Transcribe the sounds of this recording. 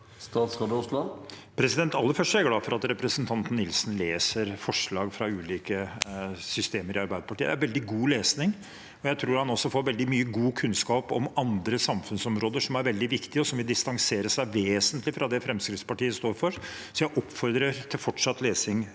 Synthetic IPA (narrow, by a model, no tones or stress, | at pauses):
st̪ɑːt̪sʁɑd̪əʊslɑʋpʰɾɛsɪd̪ɛnt̪ɑlːəɾfœʂʈæɡlɑːfɔɾɑt̪ɾɛpɾəsənt̪ʰɑnt̪n̩ɪlsn̩leːsəɾfɔʂɭɑːɡfɾɑʉːliːkə | sʏst̪eːməɾʔɪɑɾbæɪd̪əpɑʈʰiːəd̪æɾʋɛld̪ɪɡuːleːsnɪŋ | ɔjæɪt̪ʰɾuːɾhɑnɔsːɔfoːɾʋɛld̪ɪmyːəɡuːkʰʉnskɑːpɔ̰mɑnd̪ɾəsɑmfʉnsɔmɾoːd̪əʂɔmæɾʋɛld̪ɪʋɪkt̪ɪəɔsɔmʋɪld̪ɪst̪ɑŋseːɾəʂæɪʋeːsənt̪lɪfɾɑd̪ɛfɾɛmskɾɪft̪spɑʈiːəst̪oːɾfɔɾ | sɔjæɪʔɔpːfɔɾd̪ɾəɾt̪ʰɪlfɔʈʂɑt̪leːsɪŋ